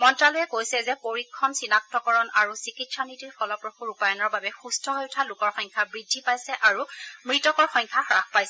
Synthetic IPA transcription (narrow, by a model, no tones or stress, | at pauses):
mɔntɹalojɛkojsɛzɛpoɹikʰːɔnsinak̚tɔkɔɹɔnʔaɹusikitsanitiɹfɔlɔpɹoxuɹupajɔnɔɹbabɛxustʰɔɦojʊtʰalʊkɔɹxɔɲkʰabɹidʱːipajsɛʔaɹumɹitɔkɔɹxɔɲkʰaxɹaxpajsɛ